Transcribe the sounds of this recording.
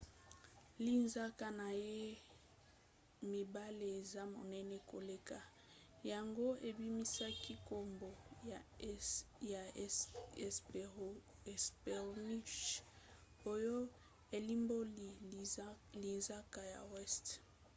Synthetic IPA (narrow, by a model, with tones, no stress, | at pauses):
li˦nza˦ka˦na˨je˦ | mi˨ba˦le˨e˨za˦mo̰˨nɛ˦nɛ˦ko̰˨le˦ka˨ | ja˨ŋɡo˦ʔe˨bi˦mi˦sa˦ki˦ko˦mbo˨ | ja˨˦ | s | spɛ˨ʁni˦ʃ | o˦jo˦ | e˨li˦mbo˦li˨ | li˨nza˦ka˨ja̰˨wɛ˦st